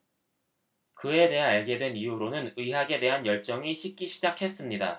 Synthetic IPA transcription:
kɯe̞de̞ɦaaɭɡe̞dwe̞nijuɾonɯnɯjɦaɡe̞dwe̞ɦanjʌɭt͡ɕ͈ʌŋiɕʰik̚k͈iɕʰid͡ʑakʰe̞s͈ɯmɲida̰

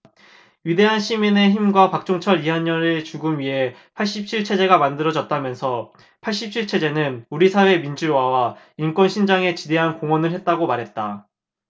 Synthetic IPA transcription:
ɥide̞ɦanɕʰimine̞çimɡwapak̚t͡ɕ͈oŋt͡ɕʰʌɾiɦaɲʌɾɯt͡ɕuɡɯmɥiɦe̞ | pʰaɭɕ͈ip̚t͡ɕʰiɭt͡ɕʰe̞d͡ʑe̞ɡamandɯɾʌd͡ʑʌt̚t͈amjʌnsʰʌ | pʰaɭɕ͈ip̚t͡ɕʰiɭt͡ɕʰe̞d͡ʑe̞nɯnuɾisʰawe̞mind͡ʑuwawa | imk͈wʌnɕʰind͡ʑaŋe̞t͡ɕide̞ɦankoŋwʌnɯɭɦe̞t̚t͈aɡomaɾɦe̞t̚t͈a

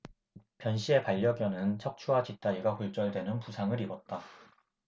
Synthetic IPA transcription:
pjʌnɕ͈ʰie̞paʎːʌɡjʌnɯnt͡ɕʰʌk̚t͡ɕʰuɦat͡ɕit͈aiɡakuɭt͡ɕ͈ʌɭdwe̞nɯnpusʰaŋɯɾibʌt̚t͈a

